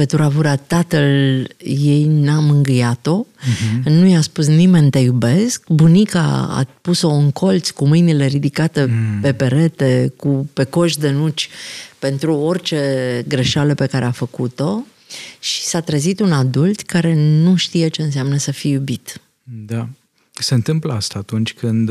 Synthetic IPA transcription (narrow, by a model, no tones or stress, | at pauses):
pet̪uɾavuɾat̪at̪əlje̞jnamɨŋɡɨjat̪o̞ | nujaspusnime̞nt̪e̞jube̞skbunika̰a̰puso̞ɨŋkʰo̞lt̪sʲkumɨjnile̞ɾid̪ikat̪epe̞pe̞ɾe̞t̪e̞kupe̞ko̞ʃd̪e̞nut͡ʃʲpe̞nt̪ɾuo̞rt͡ʃe̞ɡɾe̞ʃaləpe̞kaɾe̞afəkut̪o̞ | ʃi̥sat̪ɾəzit̪unad̪ult̪kaɾe̞nuʃt̪ije̞t͡ʃe̞ɨnseamnəsəfijubit̪ | d̪a | se̞ɨnt̪ɨmpləast̪aːt̪unt͡ʃʲkɨnd̪